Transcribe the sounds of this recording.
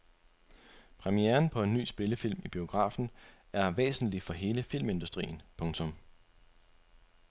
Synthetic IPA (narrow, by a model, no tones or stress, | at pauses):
pʰʁɛmieːɐnpʰɒ̽e̝nːy̰ːsb̥e̝ləfil̰mib̥io̝ɡ̥ʁɑ̰̈ːfn̩ | æɐʋḛːsn̩lifɒ̽ɦe̝ːləfil̰me̝nd̥usd̥ʁḭːn̩pʰɔ̽ŋt͡sʰɔ̽m